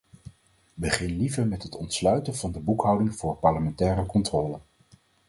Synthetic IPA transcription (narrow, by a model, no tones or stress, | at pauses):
bəχɪnlivəɹmɛtɦətɔntslœɥtənvɑndəbukɦɑwdɪŋv̥ʊːɹpɑɹləmɛntɛːrəkɔntrɔːlən